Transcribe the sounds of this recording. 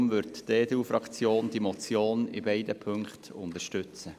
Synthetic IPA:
mʋʏɾtdeːd̥eufɾɑkt͡sjoːnd̥̪imɔt͡sjoːnɪbɛɪdəpʰʏŋkχt̪ʊntəɾʃtʏt͡sə

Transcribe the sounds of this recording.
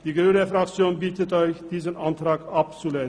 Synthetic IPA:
d̥iːɡyːnəfʁakt͡sjoːnbitətɔʏçd̥iːzənʔantʁaːkap̚t͡sulen

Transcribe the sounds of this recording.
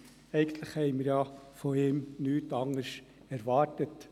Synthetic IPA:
ɛɪɡ̥ənt̪ləχhɛɪməɾjɑːfɔɪːmnyːtɑŋəʃ | ɛɾʋɑːɾtət

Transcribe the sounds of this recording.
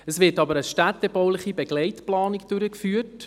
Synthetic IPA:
əsʋɪɾtɑbəɾəʃtæt̪ːɛbɔwlɪχibɛɡlɛɪtplɑːnɪkd̥ʉɾəkfyːət

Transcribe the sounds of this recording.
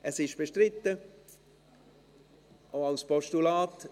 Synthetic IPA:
ʔɛsɪʃb̥eʃtrɪtːə | oalspɔʃtulaːt

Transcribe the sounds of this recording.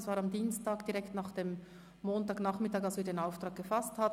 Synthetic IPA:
svaːɾɑmdiːnstaːɡd̥iʁɛktnaːχd̥eːm | moːntaːɡnaːχmɪtaːkalsv̥iːɐdeːnaʊftʁ̥aːk̚ɡ̥əfasthat

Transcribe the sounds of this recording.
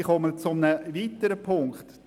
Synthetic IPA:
χɔmət͡sʊmnəvitəɾəpʰʊŋkχt̪

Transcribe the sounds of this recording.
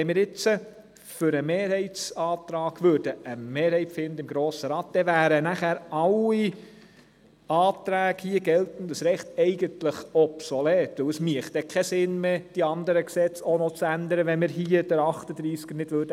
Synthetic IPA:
ɛmɪɾɪt͡sə | fʏɾəmeːɾhɛɪt͡sɑːt̪ɾɑːɡ̥ʋøːɾd̥əʔəmeːɾhɛɪtfɪnd̪əɪmɡɾoːsəɾɑːt̪̚d̥ɛvæːɾənæχæːɾɑli | ɑːt̪ɾæːɡ̥hiəɡɛlt̪ən̩d̪əsɾɛχt̪ɛɪɡənt̪ləχɔpsolɛːt̪ʋɵwəsmiəχtdɛkʰɛsɪnmeːd̥iɑnd̪əɾəksɛt͡sonot͡sænd̪əɾəʋɛnmɪɾɦiːəd̥əɾɑχt̪əd̪̥ɾiːskənɪd̥ʋøːɾd̥ə

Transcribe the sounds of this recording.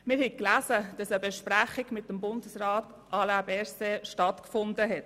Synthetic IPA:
mɪɾhɛkklæːzəd̥ɑsəbɛʃpɾæχiɡmɪt̚dəmbʊndəsraːt | ʔɑlabɛɾseʃtɑtkfʊndəɦɛt

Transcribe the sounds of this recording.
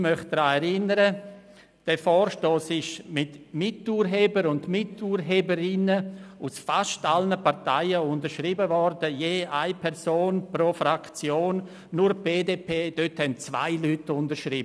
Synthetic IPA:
mœχ̚d̪̥ɾaːɛɾɪnəɾə | d̥ɛfɔːɾʃtoːsɪʃmɪtmɪtuːɾɦeːbəɾʊndmɪtuːɾɦeːbəɾɪnəusfaʃtalnəpaɾtaɪəʊndəɾʃɾibəvɔɾdəjeːʔaɪpʰɛɾsoːnpɾofɾakt͡sjoːnː | uɾb̥eːdeːpʰeːd̥øthɛnt͡sva̰ɪlytʊndəɾʃɾib

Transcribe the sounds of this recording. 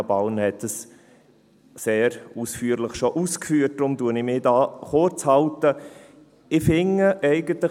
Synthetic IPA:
bɑʊnhɛtəs | seːɾusfyəɾləχʃoʔuːskfyːət̚d̥ɾʊmduənɪmɪːdɑːχoɾt͡shɑltə | ɪfɪŋːəʔɛɪɡənt̪lə

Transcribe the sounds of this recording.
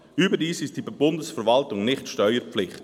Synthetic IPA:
yːbədiːsɪst̚d̥iːbbʊndəsfəɾvɑltʊŋnɪχtʃtœʏəɾpflɪχt

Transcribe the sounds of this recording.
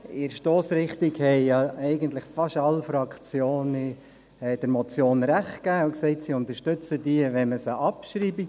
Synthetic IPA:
ɪɾʃtoːsɾɪχt̪ikhɛɪjɑɛɪɡənt̪ləχfɑʃɑlfɾɑkʰt͡sjoːn | ɛd̥əɾmɔt͡sjoːnɾæχtkæːʊksɛɪtsiʊnt̪əʃtʏt͡sədiəʋɛməsəʔɑpʃɾiːbi

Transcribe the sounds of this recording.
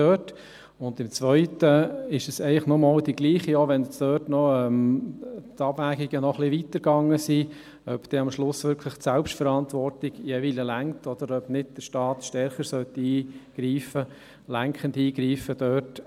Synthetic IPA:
øːt | ʊndɪmt͡sʋœʏtəɪʃəsɛɪlɪχnɔmɑːldiɡliːχioʋɛnsd̥øːtnɔɛm | tɑbvæːɡiɡ̥ənɔχlɪʋit̪əɾɡɑŋːəsi | œpd̪̥ɛɑmʃlʊsʋʏɾkʰlɪχtsɛlpʃtfəɾɑntʋɔrtɪɡ̥ijɛviləlæŋtɔd̥̪əɾœb̥nɪd̚d̥əʃtɑːt̪ʃtɛɾχəɾsœt̪ːiːɡ̥ɾiːfə | læŋkχəndiːɡɾiːfəd̥øːt

